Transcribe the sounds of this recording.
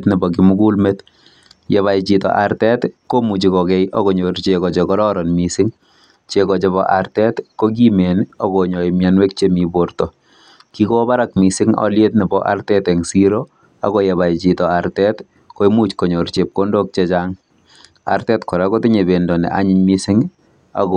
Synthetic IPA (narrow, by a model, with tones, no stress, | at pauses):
tni˨bɔ˨k̬ɪmu˦ku˦lmet | je˨βa˨jt͡ʃitɔ̰˨ʔa˨ɾtɛ˦tko˦mu˨t͡ʃi˨kɔkɛ˦jʔo˦ko˨ɲo˨ɾt͡ʃekɔ˨t͡ʃekɔ˦ɾɔ˦ɾɔ˨nmi˨sɪŋ | t͡ʃekɔ˨t͡ʃe˨βɔʔa̰˨rtɛ˦tko˦k̬i˦me˨no˨ko˨ɲo˨jmjanwe˦k̚t͡ʃemi˨boɾtɔ˨ | ki˦ko˦ba˦ɾa˦k̚mi˨sɪ˦ŋɔ̰˦lje˦tnɛ˨bɔ̰˦ʔa̰˦rtɛ˦tɛ˨ŋsi˦ɾo˦ | a̰˨ɣo˦je˨βa˨jt͡ʃi˨tɔ˨a˨ɾtɛ˦t | ko˦i˦mu˦t͡ʃko˨ɲo˨ɾt͡ʃe˨p̚ko˦ndo˦k̚t͡ʃe˦t͡ʃaŋ | a̰˨ɾtɛ˦tkɔ˨ɾako˦tɪ˦ɲe˨be˨ndɔ˨nɛ̰˨ʔa̰˦ɲɪ˦ɲmi˦sɪ˦ŋ | a̰kɔ